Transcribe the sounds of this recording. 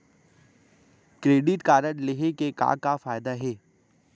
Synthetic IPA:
kɾeːɖɪʈkaːɾənleɦekeka̰ːkafaːjd̪aɦɛː

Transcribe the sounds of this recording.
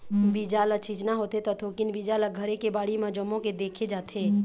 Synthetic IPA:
bid͡ʒaːlɐt͡ʃiːd͡ʒnaɦoːt̪et̪ɐt̪ʰoːkɪnbid͡ʒaːləɡʱəɾekebaːɽimɐd͡ʒɔmõked̪eːkʰed͡ʒaːt̪eː

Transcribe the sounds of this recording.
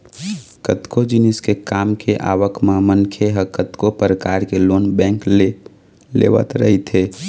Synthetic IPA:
kət̪kod͡ʒɪnɪskekaːmkʰeʔa̰ːʋəkmamənkʰeɦəkət̪kopɾəkaːɾkeloːnbɛ̃ːŋk | lḛʋə̰t̪ɾə̰ɦit̪ʰe

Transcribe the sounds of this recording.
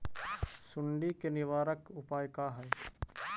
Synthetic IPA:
sʊɳɖikenɪʋaːɾəkʊpaːjkaɦɛː

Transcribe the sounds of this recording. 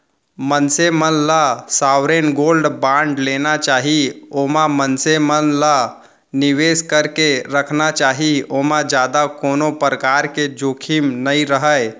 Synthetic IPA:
mənsemənlasawɾenɡolɖbãɳɖlenat͡ʃaɦiomãmənsemənla | niʋeskəɾkeɾəkʰnat͡ʃaːɦiomãd͡ʒad̪akonopɾəkaɾked͡ʒokʰimnəiɾəɦəj

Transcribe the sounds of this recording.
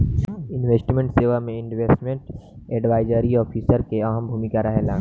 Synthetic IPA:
ɪnweːsʈmẽɳʈseːʋamẽɪ̃nɖʋeːsʈmẽɳʈeːɖʋaːɪd͡ʒəɾiɔːpʰiːsəɾkeɐɦəmbʱuːmɪkaɾɐɦelãː

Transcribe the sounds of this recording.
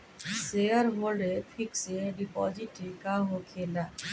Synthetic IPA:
seəɾɦoːlɖetʰɪkseɖipɔ̰ːd͡ʒiʈikaɦokʰeːla

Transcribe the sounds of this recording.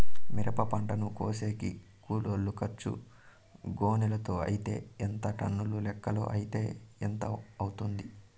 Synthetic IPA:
miɾɐpɐpɐɳʈɐnukoːse̞ːkḭ | kuːloːlːukɐt͡ʃːṵ | ɡoːnɛlɐt̪o̞ːɐ̰jit̪e̞̰ːent̪ɐʈɐ̰nːululɛkːɐlo̰ːʔɐjit̪e̞ːent̪ɐɐwut̪und̪i

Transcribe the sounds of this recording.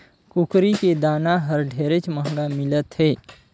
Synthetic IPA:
kʊkɾiked̪aːnaɦɐɾɖʱeːɾet͡ʃməɦŋɡamɪlət̪ɦɛː

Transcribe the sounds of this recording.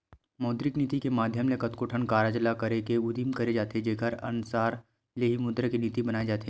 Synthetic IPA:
mɔːd̪ɾɪkniːt̪ikemaːd̪ʱjəmlekɐt̪koʈʰənkaːɾad͡ʒlakɐɾekeʊd̪imkɐɾed͡ʒaːt̪ed͡ʒeːkəɾɐ̰nʊsaːɾ | leɦimʊd̪ɾəkeniːt̪ibɐnaːed͡ʒaːt̪e

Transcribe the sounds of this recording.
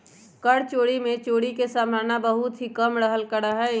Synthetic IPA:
kəɽt͡ʃoːɽimẽt͡ʃoːɽikesaːmaːnabəɦut̪ɦikəmɾəɦəlkəɽəɦɛ

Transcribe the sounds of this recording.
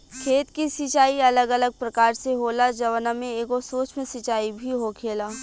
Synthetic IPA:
kʰeːt̪kisit͡ʃaːiɐləɡələɡ̚pɾɐkaːɾseɦoːlad͡ʒɐʋənamẽeːɡosoːt͡ʃmẽsɪt͡ʃaːibʱiɦokʰeːlaː

